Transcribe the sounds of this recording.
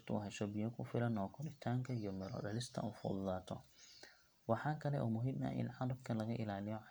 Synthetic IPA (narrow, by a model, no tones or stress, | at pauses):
t̪ʰʊṵɦɛʃɔbɪjɐkʰʊfɪlɐnɔːkʰɔlɪt̪ʰaːŋkʰɐijɔmɛɾɔ̰ɖɐlɪst̪ʰɐ̰uːfɔ̰d̪ðaːt̪ʰɔ̰ | wɑħɑːkʰɐlɛ̰ʔuːmʊɦɪmɐ̰ʔɪ̰nʕɑdˤɐbkʰɐlɐɣɐʔɪ̰laːlɪjɔ